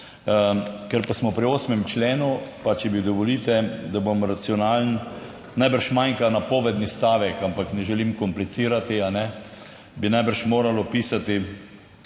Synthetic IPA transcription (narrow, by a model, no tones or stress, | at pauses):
kɛɾpasmɔpɾioːsmɛmt͡ʃleːnupat͡ʃɛbid̪ɔʋɔliːt̪ɛd̪abomɾat̪siɔnaːln | najbəɾʃmajŋkanapɔːʋɛd̪nist̪aːʋɛkampaknɛʒɛlimkɔmplit̪siːɾat̪ianɛ | binajbəɾʃmoːɾalɔpiːsat̪i